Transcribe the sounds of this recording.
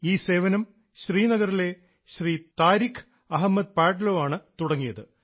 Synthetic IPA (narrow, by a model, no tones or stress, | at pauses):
iːse̞ːʋɐnɐm | ɕriːnɐɣɐrile̞ | ɕriːt̪aːɾikʰːɨ̥ | ɐɦɐmːɐd̪̚paːʈɐloːʋaːɳɨt̪uɽɐŋːijɐðɨ